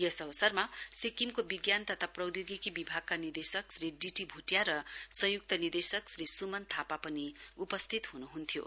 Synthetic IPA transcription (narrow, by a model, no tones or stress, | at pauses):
jʌsʌbʌsʌrmasikimkobiɡjant̪ʌt̪ʰaprʌwd̪joɡikibibʱaɡ̚kanird̪esʌksriɖiʈibʱuʈjaɾʌsʌjuk̚t̪ʌnird̪esʌksɾisumʌnt̪ʰapapʌniupʌst̪ʰit̪ɦunuɦunt̪ʰjo̰